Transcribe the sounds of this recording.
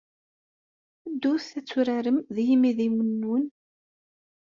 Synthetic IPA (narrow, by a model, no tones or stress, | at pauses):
əd̪ːuθθæt͡sːuɾæɾəmðjimiðiwənːun